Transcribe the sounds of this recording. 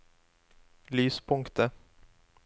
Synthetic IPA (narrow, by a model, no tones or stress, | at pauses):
lyːspʰʊŋkt̪ʰə